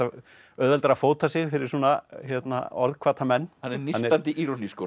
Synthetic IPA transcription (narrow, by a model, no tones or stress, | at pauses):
a | œðvɛlt̪ɛɾafoːwt̪ʰasɪɣfɪɾɪ̥suːnaçjɛt̪na̰ɔ̰ɾðkʰvaːt̪ʰamɛnːhanɛɾnianːɛɾant̪ɪiɾɔnisko